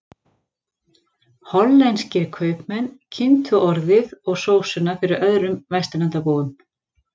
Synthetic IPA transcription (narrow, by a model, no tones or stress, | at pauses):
hɔlːɛnscɪɾkʰœːɥpmɛnːcʰɪnt̪ʰʏʔɔɾðɪðɔɣsoːwsʏnːafɪɾɪɾœðɾʏmvɛst̪ɪnant̪apoːwʏm